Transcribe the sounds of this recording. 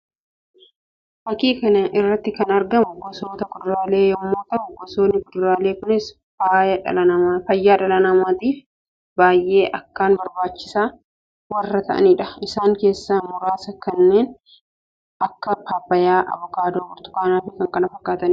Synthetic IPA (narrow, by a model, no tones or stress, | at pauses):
fɐkiːkɐnɐʔɪrːɐt̪ːɪkɐnɐɾɡɐmʊɡɔsoːt̪ɐkʊd̪ʊɾaːle̞ːjɔmːoːt̪ɐʔʊɡɔsoːnːɪkʊd̪ʊɾaːle̞ːkʊnɪs | fɐɐfɐjːaːᶑɐlɐnɐmaːt̪iːf | baːjʔe̞ːʔɐkːaːnbɐɾbaːt͡ʃːɪ̥saː | wɐrːɐt̪ʰɐʔɐ̰niːᶑɐɪsaːŋke̞ːsːamʊɾaːsɐkɐnːe̞ːn | ʔɐkːɐpaːbːɐjaːʔɐ̰βɔkaːd̪oːkʊɾt̪ʊ̥kaːnaːfɪkɐŋkɐnɐfɐkːaːt̪ɐn